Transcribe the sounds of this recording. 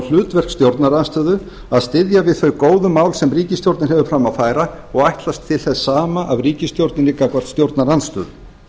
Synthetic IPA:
l̥ʏːt̪vɛr̥kst̪jowɾt̪naɾanst̪œːðʏ | aðst̪ɪðjavɪðθœɥkoːwðʏmːaːwlsɛmriːcɪst̪jowɾt̪nɪɾ̥ɦɛvʏfɾamaðfaːjɾa | ɔɣajht̪last̪ʰːɪlθɛsːaːmaʔavriːcɪst̪jowɾt̪nɪnɪkakvaɾ̥t̪st̪jowɾt̪naɾanst̪œ̰ːðʏ

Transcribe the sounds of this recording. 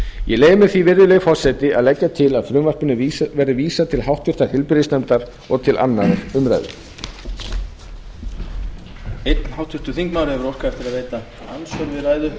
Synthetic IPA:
jɛleːjɪmɛθivɪɾðʏlɛɣfɔr̥sɛt̪ɪʔaðlɛcːat̪ʰɪlaðfɾʏmvar̥pʏnʏvɛɾɪviːsat̪ʰɪlɦawht̪ʰʏr̥t̪aɾ̥hɪlpɪɾɪsnɛmt̪aɾ̥ | ɔɣt̪ʰɪlʔa̰nːaɾɾʏmɾa̰jðʏ̰ | ejt̪n̥hawht̪ʰʏr̥t̪ʏθiŋkmaːwɾɪɛvʏɾowr̥kaɛft̪ɪɾaðvejt̪a | ansœɾvɪɾajðʏ

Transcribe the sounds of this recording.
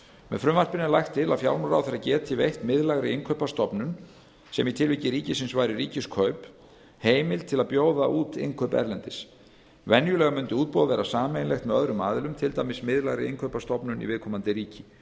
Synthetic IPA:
mɛ̰ðfɾʏmvar̥pɪnɪnlajxt̪ʰːɪla̰ðfjawlmɾa̰wθeɾacɛːt̪ʰivejht̪mɪðlaɣɾɪɪŋkʰœɥpast̪ɔpnʏn | sɛmit̪ʰɪlviːcɪɾiːcɪsɪnsvaɾiɾiːcɪskʰœɥp | heːjmɪlt̪ʰɪlaðpjoːwðaʔuːt̪ɪ̰ŋkʰœpɛ̰ɾlɛnt̪ɪs | vɛnjʏlɛɣamʏnt̪ʏuːt̪̚pɔwðvɛːɾasaːmejnlext̪mɛðœðɾʏma̰ːðɪlʏmt̪ʰɪlt̪aːjmɪsmɪðlaɣɾɪ̰ɪŋkʰœɥpast̪ɔpnʏnḭvɪðkʰɔːmant̪ɪɾiːcɪ

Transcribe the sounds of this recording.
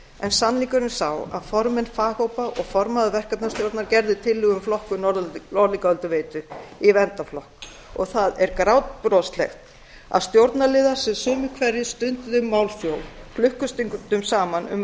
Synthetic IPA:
ɛnsanliŋkʏɾʏnsaːwa̰ðfɔɾmɪnfaːhowpaʔɔɣfɔɾmaðʏvɛr̥kap̪nast̪jowɾt̪naɾcɛɾðɪt̪ʰɪlːɪɣʏmflɔhkʏnɔɔɾliŋkaœlt̪ʏveːjt̪ʏivɛnt̪aflɔhk̚ | ɔɣθaðɛɾkɾawt̪̚pɾɔst̪lɛ̰xt̪ | a̰ðst̪jowɾt̪nalɪːðḁsɛmsʏːmʏkʰvɛɾjɪst̪ʏnt̪ʏðʏmːawlfjowflʏhkʏst̪iŋkt̪ʏmsaːmanʏ̰m

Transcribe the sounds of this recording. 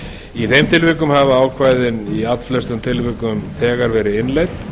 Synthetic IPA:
iθejmt̪ʰɪlvɪkʏmhavaaːwkʰvaːjðɪniat̪flɛst̪ʏmt̪ʰɪlvɪkʏmθɛːɣaɾvɛːɾɪɪnlejt̪

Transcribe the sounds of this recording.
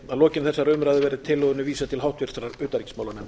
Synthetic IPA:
aðlɔːcɪnθɛsːaɾœːmʏɾaðʏvɛːɾɪt̪ʰɪlːœːɣʏnʏviːsat̪ʰɪlɦawht̪vɪr̥t̪ɾaɾʏːt̪aɾicsmawlanɛm

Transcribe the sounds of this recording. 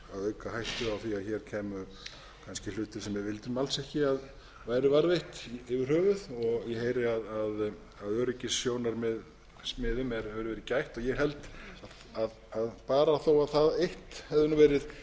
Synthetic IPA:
awœɥkahajht̪ʏawθiaðçɛɾ̥cʰɛːmʏ | kʰanscɪl̥ʏːt̪ɪɾ̥sɛmːɛɾvɪlt̪ɪɾmalsɛhcɪað | vaːjɾɪvaɾðejht̪ɪvɪɾ̥hœːvʏðɔɣjɛheːjɾɪaðað | aðœːɾɪcɪsjoːwnaɾmɛð | smɪːðʏmɛɾɛvɾʏvɛːɾɪcajht̪ɔɣjɛɦɛlt̪a | að | aðpaːɾaθowaðθaðejht̪hɛvðʏnʏvɛːɾɪð

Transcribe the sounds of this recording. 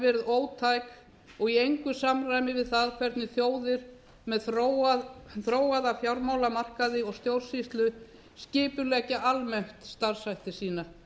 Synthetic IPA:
vɛɾʏðoːwt̪ʰajk | ɔɣiejŋkʏsamrajmɪvɪðθaðkʰvɛɾt̪nɪθjoːwðɪɾ̥ | mɛðθɾo | θɾoːwaðafjawɾmaːwlamar̥kaðɪɔɣst̪jowɾ̥sist̪lʏ | scɪːpʏlɛːcɪʔalmɛht̪st̪aɾ̥sajht̪ɪsiːna

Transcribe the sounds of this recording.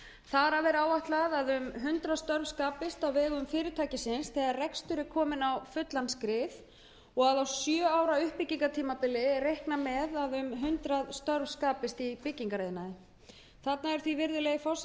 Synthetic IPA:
θaɾavɛɾaːwaht̪laðaðʏmɦʏnt̪ɾaðst̪œɾvskaːpɪst̪awvɛːɣʏmfɪːɾɪt̪ʰaːcɪsɪnsθɛːɣaɾrɛkst̪ʏɾɪɾkʰɔːmɪnawfʏt̪lanskɾɪθ | ɔɣaðawsjœːaːwɾaʏhpɪciŋkat̪ʰiːmapɪlːɪrejhknamɛðaðʏmɦʏnt̪ɾaðst̪œɾvskaːpɪst̪ipɪcːiŋkaɾeːjðɪnaɪ | θat̪naɛɾ̥θvivɪɾðɪleːjɪfaws

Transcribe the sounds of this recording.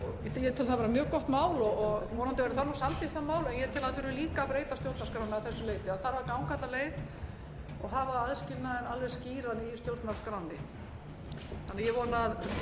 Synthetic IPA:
jɛt̪ʰɪlθavɛːɾamjœːɣkɔht̪maːwlɔɣɔɣvɔːnant̪ɪveːɾaθanɔsalt̪ɪθanmaːwlɛnjɛt̪ʰɪlaðθeɾʏmliːkapɾeːjt̪ast̪jowɾt̪naskɾawnɪːθɛsːʏleːjt̪ɪaðθaɾvaɾkawŋkat̪aleːjð | ɔɣɦavaaðscɪlnaðɛnalvɛ̥sciːɾanist̪jowɾt̪naskɾawnːɪ | θanːaɾjɛvɔːnað

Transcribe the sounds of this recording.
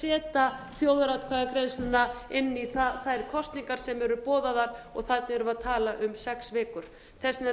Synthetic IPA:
ɛːt̪aθjowðɾat̪kʰvaɣakɾejðsnʏnːaɪnːiθaθaðɛɾ̥kʰɔst̪niŋkaɾ̥sɛmɛɾʏpɔːðaðaɾɔɣθat̪̚nɪɾʏmaðt̪ʰaːlaʔʏmsɛksvɛːkʏɾ̥ | θɛsnɛ

